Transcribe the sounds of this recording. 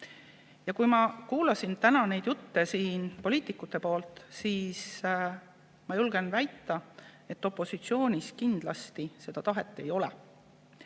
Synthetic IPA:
jɑkujmɑkuːlɑsint̪ænɑne̞jd̪̥jut̪ːesiːnpo̞liːt̪ˑikːut̪ːˑe̞po̞ːlt̪ˑsiːs | mɑjulɡ̥envæjt̪ːɑe̞t̪ːˑo̞pːˑo̞sit̪sio̞ːnʲiskind̪̥lɑst̪ise̞d̪̥ɑt̪ɑɦet̪ːˑe̞jo̞lɛ̰

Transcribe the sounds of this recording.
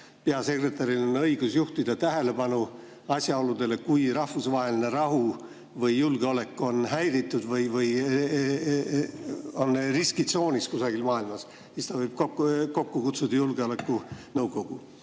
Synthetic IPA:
peɑse̞kre̞t̪ːˑɑɾilonɤjɡ̥usjuht̪id̪̥ɑt̪æɦe̞le̞pɑnu | ɑsʲjɑo̞lud̪̥e̞le̞kujɾɑhvusvɑɦe̞line̞ɾɑɦu | vɤjːulɡeo̞le̞kːˑo̞nɦæjɾit̪ːˑud̪̥vɤjvɤj | onriskit̪so̞ːnʲiskusɑɡ̥ilmɑːilmɑs | sist̪ɑvɤjb̥̚koko̞kːukut̪sud̪̥ɑjulɡ̥eo̞le̞kːˑunɤwɡ̥o̞ɡ̥u

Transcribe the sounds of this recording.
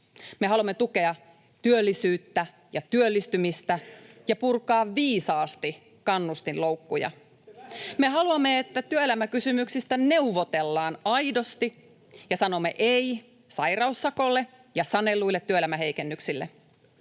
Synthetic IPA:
me̞ɦɑluɑmːe̞t̪uke̞ɑ | t̪yølːisyːt̪ːæ | jɑt̪yølːist̪ymist̪æjɑpurkɑːʋːiːsɑːst̪i | kɑnːust̪inlo̞wkːujɑ̰ | me̞ɦɑluɑmːeet̪ːæt̪yøelæmækysymyksist̪æne̞uʋo̞t̪e̞lːɑːnɑjdo̞st̪i | jɑsɑno̞mːe̞̰ʔej | sɑjrɑusːɑko̞lːe̞ | jɑsɑne̞lːuilːet̪ːyøelæmæɦe̞ikenːyksilːḛ

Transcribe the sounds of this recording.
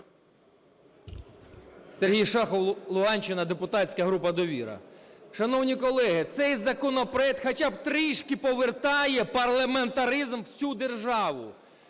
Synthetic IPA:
serɦijʃɑxɔlˠʊɦɑnʲt͡ʃɪnɐd̪epʊt̪ɑt͡sʲkɐɦɾupɐd̪ɔʋʲḭɾɐ̰ʃɐnɔwnʲikɔlˠɛɦɪt̪sɛjzɐkɔnɔpɾɔɛk̚t̪xɐt͡ʃɑb̚t̪ɾiʃkɪpɔʋert̪ɑjɛpɐrlˠɐment̪ɐɾizmwsʲud̪e̞rʒɑʋʊ̰

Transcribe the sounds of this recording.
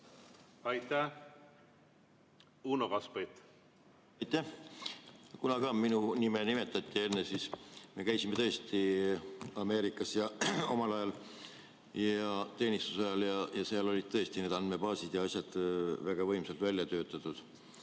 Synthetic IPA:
ɑjt̪ːæ | unokɑspejt̪ | ɑjt̪ːæh | kunɑkɑːminunimenime̞t̪ːˑɑt̪ʲˑːie̞nːesiːsme̞kæjsime̞t̪ɤ̞est̪i | ɑme̞ːɾikːˑɑsjɑo̞mɑlɑjɑl | jɑt̪e̞ːnist̪u̥sɑjɑljɑjɑseɑlo̞lʲid̪̚t̪ɤ̞e̞st̪ine̞ːd̪ɑnd̪me̞b̥ɑːsid̪̥jɑɑsʲjɑd̪̥væɡ̥ɑvɤ̞jmsɑlt̪vælʲjɑt̪ø̞ːt̪ːˑɑt̪ud̪̥

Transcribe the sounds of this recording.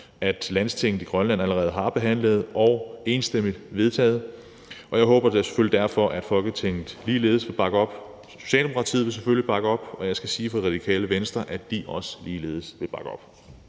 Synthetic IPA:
æd̥læn̰st͡sʰe̝ŋ̰n̩ˠiɡ̥ʁɶnlæn̰æləʁɛːð̞̩ˠɦɑ̈b̥e̝ɦæn̰ləð̞̩ˠʔɒʊe̝ːnsd̥emid̥ʋe̝ð̞ˠt͡sʰɛ̰ːð̞̩ˠ | ɒ̽jɑ̈ɪɦɔːb̥ɐdese̥følid̥æɐfɒ̽ʔæd̥fɒ̽lɡ̥ət͡sʰeŋ̰n̩ˠliːle̝ːðˠsʋe̝lb̥ɑ̈ɡ̥əɒ̽b̥ | so̝̥ɕɛ̰ːldemo̝kʰɑ̈t͡sʰḭðˠʋe̝lseføllib̥ɑ̈ɡ̥əɒ̽b̥ɒ̽jɑ̈ɪsɡ̥æsiːfɒ̥̽iʁɑ̈d̥ikʰɛ̰ːləʋensd̥ʁɐʔæd̥iʔɒ̽sə̥liːle̝ːð̞̩ˠsʋe̝lb̥ɑ̈ɡ̥əɒ̽b̥

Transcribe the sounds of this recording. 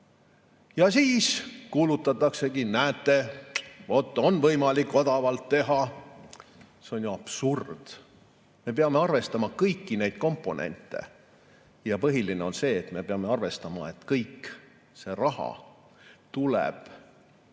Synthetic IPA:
jɑsiːskuːlut̪ːˑɑt̪ːˑɑkse̞kinæːt̪ːˑe̞ | o̞t̪ːˑo̞nvɤjmɑlikːo̞d̪ɑvɑlt̪ːe̞ɦɑ | se̞o̞njuɑb̥surd̪̥ | me̞p̬eɑme̞ɑrve̞st̪ɑmɑkɤjkːine̞jd̪̥ko̞mpːˑo̞nʔḛnt̪ːˑḛ | jɑpɤɦiline̞o̞nse̞ːt̪me̞peɑme̞ɑrve̞st̪ɑmɑe̞t̪kɤjkː | se̞rɑhɑ̰ | t̪ulḛb̥

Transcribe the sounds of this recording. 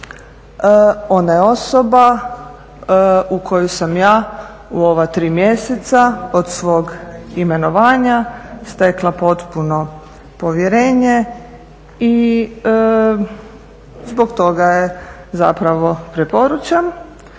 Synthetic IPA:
o̞najeo̞soba | ukʰo̞jusamjaː | uoʋat̪ɾiːmje̞set̪saod̪sʋo̞ːɡime̞no̞ʋaːɲast̪eklˠapo̞t̪puno̞ | po̞ʋjeɾe̞ːɲe | i | zbo̞ɡt̪o̞ɡaje | zapɾaʋo̞pɾepo̞ɾut͡ʃam

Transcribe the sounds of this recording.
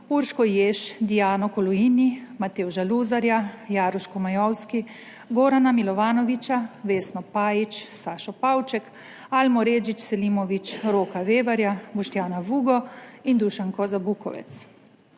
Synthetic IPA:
uɾʃkɔjeːʃd̪ijaːnɔkɔlɔjiːnimat̪eːwuʒaluːzaɾjajaːɾɔʃkɔmajɔwski | ɡoːɾanamilɔʋaːnɔʋit͡ʃaʋeːsnɔpaːjit͡ʃsaːʃɔpaːwt͡ʃɛk | almɔɾeːd͡ʒit͡ʃsɛlimɔʋit͡ʃɾoːkaʋeːʋaɾjabɔʃt̪jaːnaʋuːɡɔind̪uʃaŋkɔzabukɔ̰ʋɛ̰t̪s

